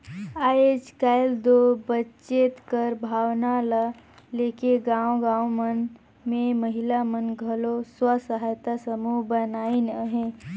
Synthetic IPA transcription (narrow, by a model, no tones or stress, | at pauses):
aːed͡ʒkaːɪld̪obətːt͡ʃet̪kəɾbʱaːwnala | leːkeɡãːõɡãːwmən | mẽməɦɪlamənɡʱɐloswəsəɦaːjt̪asəmubənaːinəɦẽː